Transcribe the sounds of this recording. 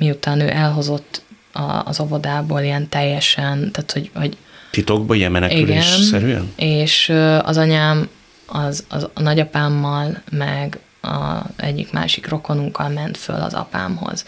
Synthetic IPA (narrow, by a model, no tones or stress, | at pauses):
miut̪aːnø̰ːʔɛlɦo̞zo̞t̪ː | ɒ̰ːzo̞vo̞d̪aːboːlijɛnt̪ɛjːɛʃɛnt̪aːt̪ho̞ɟoɟt̪it̪o̞ɡ̚bɒijɛmmɛnɛkiylɡeɛnsɛɾyɛ̰neːʃøːɒ̰zɒɲaːm | ɒzɒ̰zɒnɒɟɒpaːmːɒlmɛɡ | ɒ̰ɛ̰ɟːḭkma̰ːʃikro̞ko̞nuŋkːɒlmɛnt̪fø̰lɒ̰zɒ̰pa̰ːmho̞̰z̥